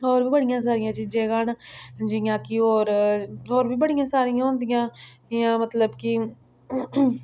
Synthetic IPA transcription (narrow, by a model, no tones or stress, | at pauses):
oːɾbiːbəɽɪjãːs̬aːɾɪjãːt͡ʃiːd͡ʒeːɡaːnd͡ʒijãːkɪoːɾoːɾbiːbəɽɪjãːsaːɾɪjãːɦõːnd̪ɪjãː | jãːmət̪ləbkɪ